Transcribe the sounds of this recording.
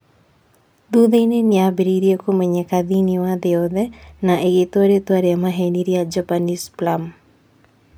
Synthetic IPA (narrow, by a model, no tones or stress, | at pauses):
d̪uðeineniabiɾiɾiekomeɲekaðiniwad̪eɔðɛnaʔeɡet̪waɾet̪waɾeamaɦeniɾiad͡ʒapanisplam